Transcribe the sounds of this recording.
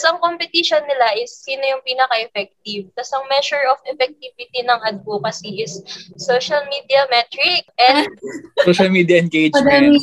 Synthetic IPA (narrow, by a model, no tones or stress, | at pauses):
sɐŋkompɛt̪iʃonːɪlaʔɪsːiːnojʊŋpiːnɐkɐʔɛfɛk̚t̪ivt̪asɐŋmɛʃʊɹʔofʔɛfɛk̚t̪ivɪt̪inɐŋhɐd̪̚kokɐsiʔɪsːoːʃɐlmid̪iɐmɛt̪ɹɪk̚ʔɛ̃nd̪̚oʃɐlmiːd̪jɐʔɛnkejd͡ʒɐd̪amɪ